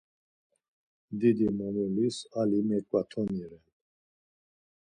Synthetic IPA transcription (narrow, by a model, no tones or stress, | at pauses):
d̪id̪imɔnɛlisalimɛkʼwat̪ʰɔniɾɛn